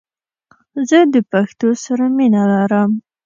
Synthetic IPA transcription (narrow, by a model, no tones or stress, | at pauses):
zəd̪əpaxt̪osaɾaminalaɾəm